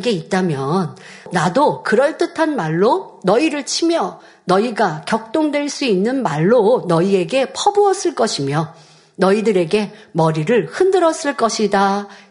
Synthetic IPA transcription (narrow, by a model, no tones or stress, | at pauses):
ɡe̞it̚t͈amjʌnː | adokɯɾʌɭt͈ɯtʰanmaɭːonʌiɾɯɭt͡ɕʰimjʌ | nʌiɡakjʌk̚t͈oŋdweɭs͈uinːɯnmaɭːonʌie̞ɡe̞pʰʌbuʌs͈ɯɭk͈ʌɕʰimjʌ | nʌidɯɾe̞ɡe̞mʌɾiɾɯɭhɯndɯɾʌs͈ɯɭk͈ʌɕʰida